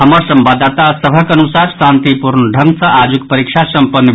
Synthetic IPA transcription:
ɦəməɾsəmbad̪at̪asəbʱəkənusaɾsant̪ipuɾnəɖʱəŋɡsʌ̃ʔad͡ʒukpəɾikt͡ʃʰasəmpənː

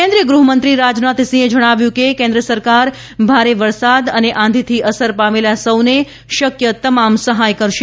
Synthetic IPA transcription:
kẽnd̪ɾijəɡɾuɦəmənt̪ɾiɾad͡ʒnat̪sĩed͡ʒəɽ̃aʋjũkekẽnd̪ɾəsəɾkaɾ | bʱaɾeʋəɾsad̪əneʔãnd̪ʱit̪ʰiʔəsəɾpamelasəwne | ʃəkjət̪əmamsəɦajkəɾʃe

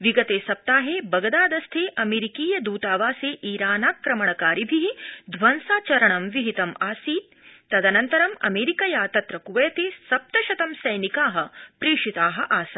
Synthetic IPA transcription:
ʋiɡɐt̪eːsɐp̚t̪aːɦeːbɐɡɐd̪aːd̪ɐst̪ʰeːʔɐmeːɾikiːjɐd̪uːt̪aːʋaːseːʔiːɾaːnaːkɾɐmɐɳɐkaːɾibʱiɦid̪ʱʋɐnsaːt͡ʃɐɾɐɳɐmʋiɦit̪ɐmaːsiːt̪ː | ɐd̪ɐnɐnt̪ɐɾɐmɐ̰meːɾikɐjaːt̪ɐt̪ɾɐkuʋɐjɐt̪eːsɐp̚t̪ɐʃɐt̪ɐmsɐjnikaːɦɐ̆pɾiːʂit̪aːɦɐ̆ʔaːsɐ

